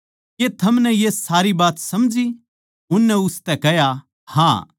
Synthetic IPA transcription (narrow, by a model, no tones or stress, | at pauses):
ket̪ʰɐmnɛjesaːɾibaːt̪sɐmd͡ʒi | ʊnːɛʊst̪ɛkɛja | hã̰ː